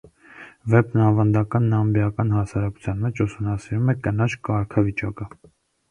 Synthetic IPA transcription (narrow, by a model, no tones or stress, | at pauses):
vɛpnɑvɑnd̪ɑkɑnːɑmbjɑkɑnhɑsɑɾɑku̥t͡sʰjɑnmɛt͡ʃʰusumnɑsiɾumɛkənɑt͡ʃʰkɑɾkʰɑvit͡ʃɑ̰kə